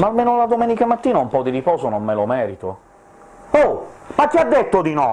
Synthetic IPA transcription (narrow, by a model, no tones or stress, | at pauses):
maːlmeːnolad̪omɛːnikamat̪ːiːnaumpɔd̪iɾipɔːzonomːelomɛːɾit̪o | omakːead̪ːet̪ːod̪inɔ